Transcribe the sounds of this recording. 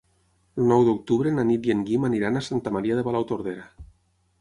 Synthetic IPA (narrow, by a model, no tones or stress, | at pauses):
lnɔwðok̚t̪uβɾenanit̪jeŋɡimaniɾanasant̪amaɾiaðeβalawt̪oɾð̞eɾa